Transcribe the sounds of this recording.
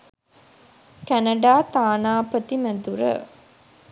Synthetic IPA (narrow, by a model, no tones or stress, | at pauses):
kænəɖaːt̪aːnaːpət̪iməd̪uɾə̰